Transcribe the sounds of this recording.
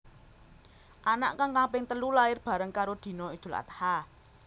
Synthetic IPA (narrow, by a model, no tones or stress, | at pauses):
ʔana̰ʔkaŋkapɪŋt̪əlulaɪrb̥ä̤ɾəŋkaɾod̪̥i̤nɔid̪̥ṳla̰t̪ḁha